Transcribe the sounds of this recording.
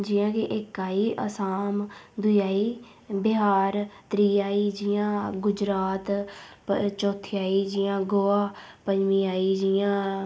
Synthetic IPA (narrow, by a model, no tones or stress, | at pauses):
d͡ʒɪːjãːkeʔɪkːaːiːʔə̰saːmd̪ʊjaːiː | bɪɦaːɾt̪ɾiːaːiːd͡ʒɪjãːɡʊd͡ʒɾaːt̪ | t͡ʃɔːt̪ʰɪjaːiːd͡ʒɪjãːɡoːaː | pəɲd͡ʒmĩːaːiːd͡ʒɪjãː